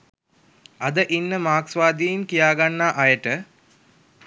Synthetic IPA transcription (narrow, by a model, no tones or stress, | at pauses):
ɐd̪əʔinːəmaːksʋaːd̪ijiŋkijaːɡanːaːʔɐjəʈə